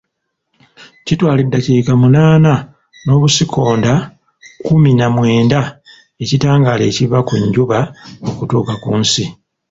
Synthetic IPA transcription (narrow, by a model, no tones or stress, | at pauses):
citwaːlidːaciːkamunaːna | no̞ːβusikʰo̞ːnda | kuminamwe̞ːnda | e̞citaːŋɡaːleːciβakuɲɟuβao̞kutuːkakunsi